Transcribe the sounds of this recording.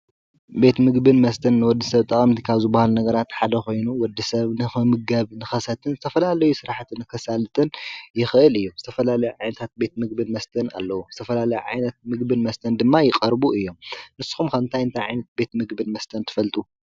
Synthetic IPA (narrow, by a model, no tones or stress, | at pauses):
be̞t̪mɨɡbɨnmɐst̪ʰɐnːɨwɔd̪ːisɐβt̪ʼɐkʼɐmt̪ʰi̥kʰaβzɨbahalnɐɡɐɾat̪ħad̪ɐko̞jnuwɔd̪ːisɐβnɨmɨɡɐβnɨxɐsɐt̪ʰɨnzɨt̪ʰɐfɐlalɐjusɨɾaħt̪ʰɨnɨkʰɐsalɨt̪ʼɨnjɪxʔɨlɨjːuzɨt̪ʰɐfɐlalɐjuʕajnɐt̪ʰat̪̚be̞t̪mɨɡ̚bɨnmɐst̪ʰɐna̰lːɐwuzɨt̪ʰɐfɐlalɐjuʕa̰jnɐt̪̚mɨɡbɨnmɐst̪ʰɐnd̪ɨmːajɪqʼɐɾbuɨjːo̞mnɨsːu̥xumkʰɐnt̪ʰajɨnt̪ʰajʕajnɐt̪̚be̞t̪mɨɡbɨnmɐst̪ʰɐnt̪ʰɨ̥fɐlt̪ʼu